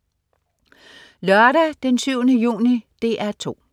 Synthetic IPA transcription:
lœɐɾæd̥ensyʊnəjṵːnid̥e̝̰ːʔæɐt͡sʰo̝̰ː

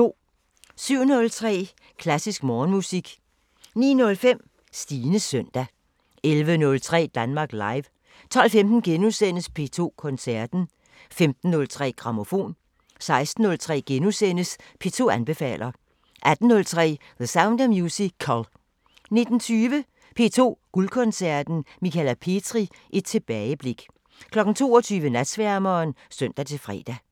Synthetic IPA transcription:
o̝̰ː | syʊ̰nɔ̽lt͡sʰʁɛ̰ː | kʰlæsisɡ̥mɒːnmusiɡ̥ | nḭːnɔ̽lfem̰ | sd̥iːnəsœn̰d̥æ | elʋənɔ̽lt͡sʰʁɛ̰ːd̥ænmɑ̈ːɡ̥lɑ̈ɪʋ | t͡sʰɒ̽l̰femd̥n̩ɡ̥enusen̰əspʰe̝t͡sʰo̝̰ːkʰɔ̽nsæɐd̥n̩ | femd̥n̩ːɔ̽lt͡sʰʁɛ̰ːɡ̥ʁɑ̈mo̝fo̝̰ːn | sɑ̈ɪsd̥n̩ːɔ̽lt͡sʰʁɛ̰ːɡ̥enusen̰əs | pʰe̝̰ːt͡sʰo̝̰ːænb̥e̝fɛ̰ːlʔɐ | ʔæd̥n̩ːɔ̽lt͡sʰʁɛ̰ː | ðəsäʊnd̥ɐmjuːsikʰːɒl | ne̝d̥n̩t͡sʰyːʋə | pʰe̝̰ːt͡sʰo̝̰ːɡ̥ulkʰɔ̽nsæɐd̥n̩mikʰælæpʰe̝d̥ʰʁi | ʔed̥̚t͡sʰe̝b̥ɛːɪəb̥le̝ɡ̥ | kʰlɒ̽ɡ̥n̩t͡sʰo̝̰ːɒt͡sʰyːʋənæd̥sʋæɐmɐːnsœn̰d̥æt͡sʰe̝lfʁɛ̰ːd̥æ

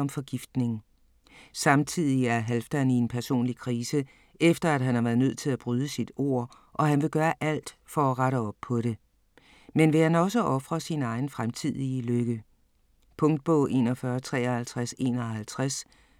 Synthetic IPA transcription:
ɒ̽mfɒ̽ɡ̥ifd̥ne̝ŋ̩ | sɑ̈mt͡sʰið̞̰ˠiæɐɦælfd̥ænie̝npʰæɐso̝̰ːnlikʰʁiːsə | efd̥ɐæd̥ɦænhɑ̈ʋæːɐðˠnøð̰ˠt͡sʰe̝læb̥ʁyːð̞ˠəsid̥o̝̰ɐ̰ | ʔɒ̽ɦænʋe̝ɡ̥ɶːɐʔæl̰d̥fɒ̽æʁɑɾəɒ̽b̥pʰɒ̽ɾe̝ | menʋe̝hænɒ̽s̬əʔɒ̽fʁɐsinɑ̈ɪn̩fʁamt͡sʰið̞̰ˠiəløɡ̥ə | pʰɔ̽ŋd̥̚b̥ɔʊʔe̝̰ːnɒfɶɐt͡sʰʁɛ̰ːɒhælt͡sʰʁase̝̰ːnɒhælt͡sʰʁas

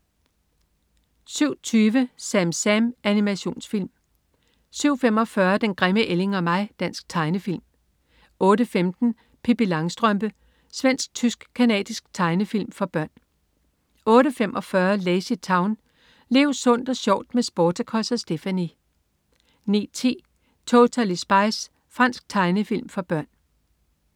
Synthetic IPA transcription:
syʊ̰t͡sʰyːʋəsæmsæmʔænimæɕo̝̰ːnsfil̰m | syʊ̰fem̰ɒ̽fɶːɐd̥enɡ̥ʁɛməʔele̝ŋɒ̽mɑ̈ɪd̥æn̰sɡ̥̚t͡sʰɑ̈ɪnəfil̰m | ɔ̽ːɾəfemd̥n̩ | pʰibilɑ̈ŋsd̥ʁœmb̥ə | sʋen̰sɡ̥̚t͡sʰysɡ̥kʰænɛ̰ːd̥isɡ̥̚t͡sʰɑ̈ɪnəfil̰mfɒ̽b̥ɶɐ̰n | ɔ̽ːɾəfemʔɒ̽fɶːɐleɪsi̥t͡sʰɑ̈ʊn | le̝̰ʊsɔ̽n̰d̥ɒ̽sjɒʊ̰d̥mesb̥oːt͡sʰækʰɒ̽sɒsd̥e̝fæni | nḭːt͡sʰḭː | t͡sʰoːt͡sʰælisb̥ɑ̈ɪs | fʁɑ̈n̰sɡ̥̚t͡sʰɑ̈ɪnəfil̰mfɒ̽b̥ɶɐ̰n

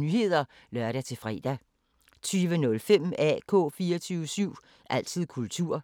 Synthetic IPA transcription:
nyːhe̝ð̞̰ˠɐ | lɶɐɾ̥æt͡sʰe̝fʁɛ̰ːd̥æ | t͡sʰyːʋənɔ̽lfem̰ɛ̰ːkʰɔ̰̽ːfiːɐt͡sʰyːʊʋəsyʊ̰ | ʔæl̰t͡sʰið̰ˠkʰult͡sʰuɐ̰

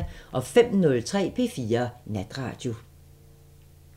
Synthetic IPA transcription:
nʔɒ̽fem̰nɔ̽lt͡sʰʁɛ̰ːpʰe̝̰ːfiːɐnæd̥ʁɑ̰̈ːd̥jo̝

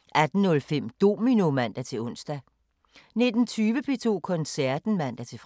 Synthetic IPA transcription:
ʔæd̥n̩ːɔ̽lfem̰d̥o̝̰ːminomæn̰d̥æt͡sʰe̝lɔ̽n̰sd̥æ | ne̝d̥n̩t͡sʰyːʋəpʰe̝t͡sʰo̝̰ːkʰɒ̽nsæɐd̥n̩mæn̰d̥æt͡sʰe̝f

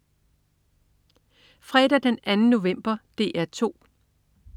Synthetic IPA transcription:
fʁɛːd̥æd̥enænəno̝ʋem̰b̥ɐd̥e̝̰ːʔæɐ̰t͡sʰo̝̰ː

